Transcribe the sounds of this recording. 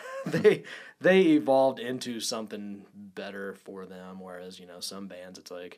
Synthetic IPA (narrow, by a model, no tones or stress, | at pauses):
ðeɪðeɪɪvɑlˠvdɪ̃ntʰʉsʌ̃mθɪ̃ŋb̥ɛɾə˞fə˞ðɨ̃mwə˞æzjɨnoʊsʌ̃mbæ̃ndzɨtslaɪk